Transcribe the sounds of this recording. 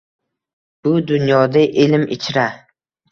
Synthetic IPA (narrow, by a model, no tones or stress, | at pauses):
b̥ʊd̪ʊnjɒd̪aʔɪlmɪ̰t͡ʃʰɾa